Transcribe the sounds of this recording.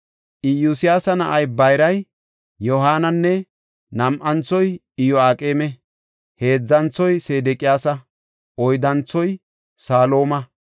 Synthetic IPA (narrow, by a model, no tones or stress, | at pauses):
ʔɪjusɪjaːsɐnɐʔɐjbɐjɾɐj | jɔɦaːnɐnːɛ | nɐmʔɐnt͡sːɔj | ɪjɔaːkʼeːmɛ | he̞ːd͡zːɐnt͡sːɔjse̞ːd̪ɛkʼɪjaːsɐ | ʔɔjd̪ɐnt͡sːɔj | saːlo̞ːmɐ